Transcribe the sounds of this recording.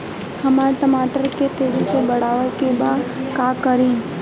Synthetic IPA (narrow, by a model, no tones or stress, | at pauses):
hɐmaːɾʈəmaːʈəɾket̪eːd͡ʒisebɐɽ̤aːʋekebaːkaːkəɾẽː